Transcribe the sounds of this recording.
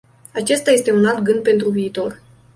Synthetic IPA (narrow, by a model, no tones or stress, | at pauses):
at͡ʃe̞st̪ajest̪e̞unalt̪ɡɨnd̪̚pe̞nt̪ɾuviːt̪o̞r